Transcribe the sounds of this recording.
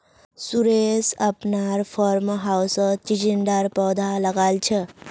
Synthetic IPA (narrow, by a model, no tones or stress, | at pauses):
suɾesəpnaɾpʰɔɾmɦawsət͡ʃid͡ʒiɳɖəɾpɔd̪ʱaləɡalt͡ʃʰə